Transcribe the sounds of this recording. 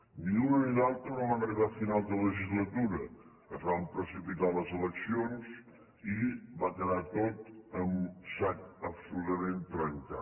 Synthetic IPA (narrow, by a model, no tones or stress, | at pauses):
niunəniðalˠt̪ɾənoβanriðafinalˠd̪ələʒizlət̪uɾə | əzβampɾəsipit̪aləzələksionz | iβakəðat̪ot̪əmsakəpsulut̪əmẽnt̪ɾəŋka̰